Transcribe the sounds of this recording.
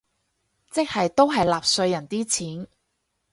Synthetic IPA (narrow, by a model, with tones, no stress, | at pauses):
t͡sɪ˥k̚hɐ˨jt̪o˥wɦɐ˨jlaː˨p̚sɵ˧ɥjɐ˨˩nt̪iː˥t͡sʰiː˨˥n